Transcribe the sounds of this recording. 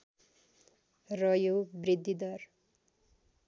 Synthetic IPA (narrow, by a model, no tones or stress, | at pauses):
rʌjobrid̪ːid̪ʌr